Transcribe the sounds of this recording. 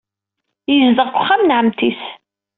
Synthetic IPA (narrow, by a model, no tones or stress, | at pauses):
jizd̪əʁkʷʊχːamnʕəmt̪is